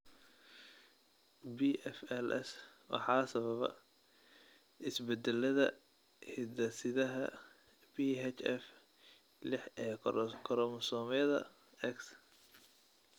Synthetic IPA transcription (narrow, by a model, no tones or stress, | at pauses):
biʔɛfɛlʔɛ̰swɑ̰ħɑːsɐβɐβɐ̰ | ʔɪsbɛd̪ɛlɐðɐ | hɪd̪ɐsɪðɐɦɐ | biːɦɛt͡ʃɛf | lɪħɛkʰɔɾɔmsɔːmɛɐðɐ̰ | ɛks